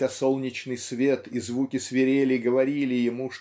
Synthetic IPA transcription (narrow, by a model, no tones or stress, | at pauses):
aso̞lˠnʲɪt͡ɕnɨjsvʲe̞t̪izvukʲɪsvʲɪɾʲelʲɪɡəvɐɾʲilʲɪjɪmuʂ